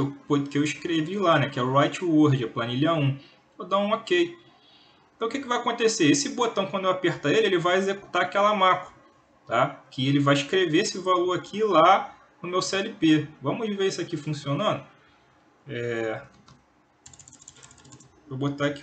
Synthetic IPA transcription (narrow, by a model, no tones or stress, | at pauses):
kɪewpokɪewiʃkɾevilanɛkɪɛuɾajt͡ʃwoɾd͡ʒɪɐplanilɐũ | od̪ãũokej | ẽt̪ɐ̃w̃ʊkɪkɪvajakõt̪eseesɪbot̪ɐ̃w̃kwɐ̃nd̪ewapeɾt̪ɐelɪelɪvajezeku̥t̪aɾakɛlɐmapɐ̥ | t̪akɪelɪvajiʃkɾeveesɪvaloɾakʰila | nʊmewsɛlipevɐ̃mʊzveɾisakifũsionɐ̃nd̪ʊ | ɛ | obot̪ak